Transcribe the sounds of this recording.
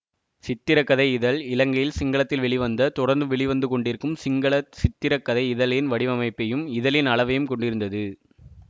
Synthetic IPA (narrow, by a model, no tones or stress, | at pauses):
sɪt̪ːɪɾɐkːɐðɐɪɪðɐlɪlɐŋɡɐjɪlsɪŋɡɐɭɐt̪ːɪlʋɛɭɪʋɐnd̪ɐt̪ɔɽɐɾnd̪ɯʋɛɭɪʋɐnd̪ɯkɔɳɖɪɾɯkːɯmsɪŋɡɐɭɐsɪt̪ːɪɾɐkːɐðɐɪɪðɐlɪnʋɐɽɪʋɐmɐɪpːɐjɯmɪðɐlɪnɐɭɐʋɐjɯmkɔɳɖɪɾɯnd̪ɐðɯ